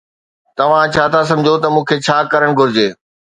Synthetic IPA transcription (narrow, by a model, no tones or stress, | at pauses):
t̪ɐʋ̤ãt͡ɕʰaːt̪ʰas̬ɐ̃md͡ʑʱot̪ɐmũːkʰet͡ɕʰaːkɐɾəɽ̃ɡʱʊɾɪd͡ʑeː